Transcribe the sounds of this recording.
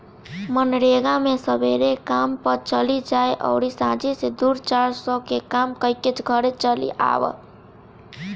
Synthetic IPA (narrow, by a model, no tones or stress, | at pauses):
mənɾeɡãmesəbeɾekampət͡ʃʌlid͡ʒaeʔʌ̰wɾisãd͡ʒised̪uɾt͡ʃaɾsəkekamkəjket͡ʃɡʱʌɾet͡ʃʌlḭʔa̰w̰